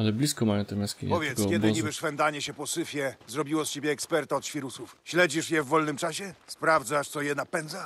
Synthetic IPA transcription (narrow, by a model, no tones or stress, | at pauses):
alɛblʲiskɔmajɔ̃t̪ɛmʲaskʲḭɲpɔvʲjɛt̪kkɛdɪɲibɘʂfɛnd̪aɲɛɕɛpɔsɘfʲjɛzɾɔbʲiwɔst͡ɕebʲjɛːkspɛɾt̪aɔt̪ɕfʲiɾusufɕlɛd͡ʑiʂjɛvːɔlnɘmt͡ʂaɕɛspɾavd̪zaʂt̪sɔjɛnapɛnd̪za